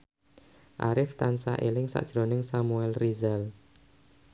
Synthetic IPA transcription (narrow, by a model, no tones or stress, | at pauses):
ʔa̰ɾɪft̪ansa̰ʔelɪŋsa̰ʔd̥ʒ̥ɾo̤nɪŋsamuɛlrizal